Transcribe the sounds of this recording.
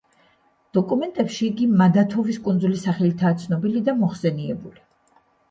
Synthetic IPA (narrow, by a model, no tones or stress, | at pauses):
d̪̥ɔkʼumɛnt̪ʼɛpʃiːɡimad̪at̪ʰɔviskʼund̪zulisaχɛlit̪ʰaːt̪sʰnɔbilid̪amɔχsɛniɛbuli